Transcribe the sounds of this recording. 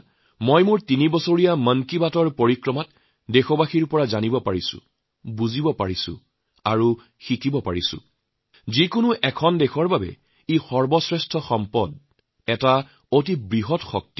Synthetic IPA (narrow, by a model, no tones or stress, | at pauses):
mojmʊɹtinibɔsoɹijamənkibatɔɹpoɹikɹɔmat | dexɔbaxiɹpɔɹazanibɔpaɹisʊ̰̃ | buzibɔpa̰ɹisʊ̰̃ | aɹu | xikibɔpa̰ɹisʊ̰̃ | zikʊnʊʔɛkʰɔndɛxʰɔɹbabɛ̰ | ixɔɹbɔsɹɛstʰɔxɔmpɔd | ɛta | otibɹiɦɔtxɔk̚ti